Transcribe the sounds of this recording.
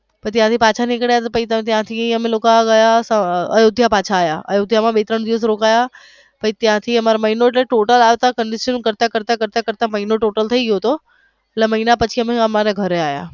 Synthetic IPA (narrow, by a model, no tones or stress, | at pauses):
pɐt̪jãt̪ʰipaːt͡ɕʰanĩkɽjat̪ɐpɐit̪ɐ̃t̪jãt̪ʰiɐmẽloːkaɡɐjasɐɐ̰joːd̪ʱjapaːt͡ɕʰaːja̰ʔɐ̰joːd̪ʱjamãɓeːt̪ɾəɽ̃d̪iʋəsɾoːkaːja | pɐit̪jãt̪ʰiɐmaɾamɐɦinoeʈleʈoːʈəlaːjet̪akə̃ɳɖɪʃənkɐɾt̪akəɾt̪akɐɾt̪akɐɾt̪amɐɦinoʈoːʈəlt̪ʰɐiɡijot̪ʰo | lamɐɦinapɐt͡ɕʰiəmẽɐmaɾaɡʱɐɾeaːja̰ː